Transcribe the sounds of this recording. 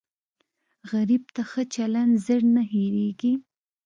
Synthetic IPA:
ɣaɾibt̪axət͡ʃaland̪zəɽnaɦeɾeɡi

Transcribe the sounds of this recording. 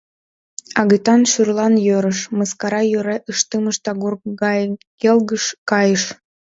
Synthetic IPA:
ɑɣət̪ɑnʃyrlɑnjøɾəʃməskɑɾɑjøɾeʔəʃt̪ɨməʃt̪ɑɣurɑkelɣəʃkɑjəʃ

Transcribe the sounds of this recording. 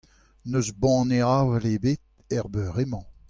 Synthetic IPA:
nøzbɑ̃neaːvɛlebet̪̚ | ɛʁbøʁemɑ̃

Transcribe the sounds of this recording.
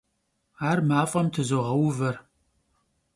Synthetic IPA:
aːrmaːfʼɐmtʰɨzoʁɐwvɐr

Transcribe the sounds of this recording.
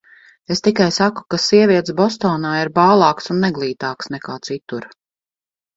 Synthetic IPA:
est̪ikajsaku̥kasiɛvʲiɛt̪sbɔst̪ɔːnaːiɾbaːlˠɑːksunːɛɡlˠiːt̪aːksnɛkaːt̪sit̪uɾ

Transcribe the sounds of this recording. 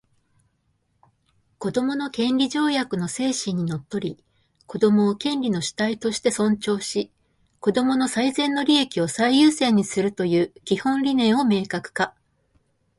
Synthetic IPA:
ko̞d̪o̞mo̞nokẽ̞nɾʲiʑo̞ːjakɯ̟no̞se̞ːɕĩɲ̟ːino̞t̪ːo̞ɾʲi | ko̞d̪o̞mo̞ːkẽ̞nɾʲino̞ɕi̥t̪ait̪o̞ɕi̥t̪e̞sõ̞ɲ̟t͡ɕo̞ːɕi | ko̞d̪o̞mo̞no̞saizẽ̞nːo̞ɾʲie̞kʲio̞saijɯːsẽ̞ɲ̟ːisɨɾɯ̟t̪o̞jɯ̟ːkʲihõ̞nɾʲinẽ̞ɰ̃o̞me̞ːkakɯ̟̥ka

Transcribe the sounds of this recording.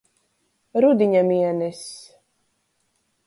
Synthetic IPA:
ɾud̪iɲamiɛnɛs

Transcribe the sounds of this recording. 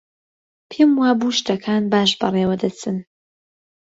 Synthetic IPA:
pʰemwaːbuːʃt̪ɐkʰaːnbaːʃbɐrˤeːwɐd̪ɐt͡sʰɨn

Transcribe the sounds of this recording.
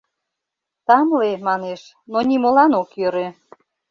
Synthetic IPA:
t̪ɑmlemɑneʃ | nonimolɑnokjøɾø

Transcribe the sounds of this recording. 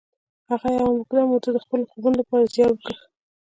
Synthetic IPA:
haɣajawamʊkd̪ɑmot̪ad̪əxpəlxobunlapɑɾazjɑnwəkə

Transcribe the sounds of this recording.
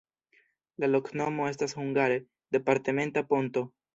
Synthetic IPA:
lalo̞kno̞mo̞e̞stashuŋɡaɾe | d̥epaɾt̪e̞me̞ntapo̞nto̞

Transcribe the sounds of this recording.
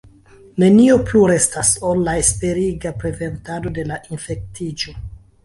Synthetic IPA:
ne̞nio̞pluɾe̞staso̞lːaespe̞ɾiɡapɾe̞ze̞ntado̞de̞laʔinfe̞k̚tid͡ʒo̞

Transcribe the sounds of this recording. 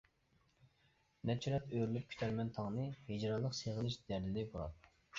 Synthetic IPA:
nɛt͡ʃʰyɾɛt̪øɾylyp̚kʲʰy̥t̪ʰɛɾmɛnt̪ʰɑŋnɨhed͡ʒɾɑlˠːəqseʁəlˠɪʃd̪æɾlɪd̪ɪboɾɑ̰t̪

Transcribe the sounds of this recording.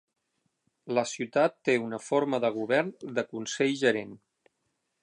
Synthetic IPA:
ləsiut̪at̪ːeunəfoɾməðəɣ̞uβɛrnd̪əkunsɛʎʒəɾen

